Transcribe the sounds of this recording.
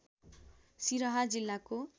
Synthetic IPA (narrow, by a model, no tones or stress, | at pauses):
siɾʌɦad͡zilːako